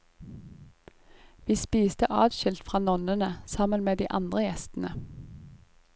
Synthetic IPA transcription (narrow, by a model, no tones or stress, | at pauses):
ʋiːspiːst̪əʔɑːd̪ʃɪlt̪fʁɑːnɔnənəsɑmənmeːd̪iːʔɑnd̪ʁəjɛst̪n̩ə